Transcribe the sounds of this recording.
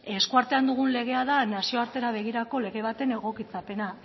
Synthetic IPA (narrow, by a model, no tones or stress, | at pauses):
e̞skuaɾt̪e̞and̪uɣ̞unle̞ɣ̞e̞aðanasio̞aɾt̪e̞ɾaβ̞e̞ɣ̞iɾako̞le̞ɣe̞β̞at̪e̞ne̞ɣ̞o̞kit͡sape̞na